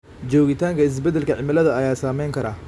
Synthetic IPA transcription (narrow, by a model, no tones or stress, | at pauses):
t͡ʃɔːɣɪt̪ʰaːŋkʰɐɪs̬bɛd̪ːɛlkʰɐʕɪmɪlɐðɐːjaːsaːmɛjŋkʰɐɾaː